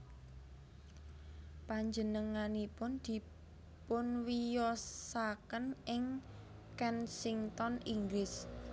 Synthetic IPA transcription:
paɲd͡ʒənəŋanipʊnd̪̥i̤ | pʊnwijɔsakənɪŋ | kɛnsiŋt̪ɔniŋɡlɪs

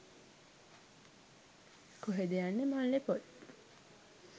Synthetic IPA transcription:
koɦed̪ejanːemanlepot̪

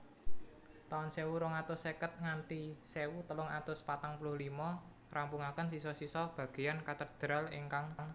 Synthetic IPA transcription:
t̪aʊnsewuɾʊŋat̪ʊsːekət̪̚ŋant̪isewut̪əlʊŋat̪ʊspat̪aŋpulʊhlimɔ | rʔampuŋakənsisɔsisɔb̥a̤ɡ̥e̤jankat̪ərd̪̥ɾalḭŋkaŋŋ

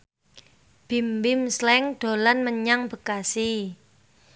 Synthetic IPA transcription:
b̥i̤mbɪmslɛŋɖ̪̥o̤lanməɲaŋb̥ə̤kasi

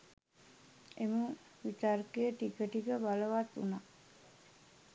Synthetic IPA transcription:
emuŋ | ʋit̪aɾkeəʈikəʈiɡəbaləʋat̪ːṵna

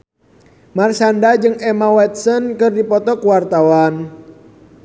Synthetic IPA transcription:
marsandad͡ʒɨŋɛmawɛt̪̚sənkɨrdipɔt̪ɔkuwart̪awan

